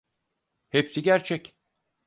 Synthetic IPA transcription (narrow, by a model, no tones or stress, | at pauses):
hepsiɟæɾt͡ʃʰɛc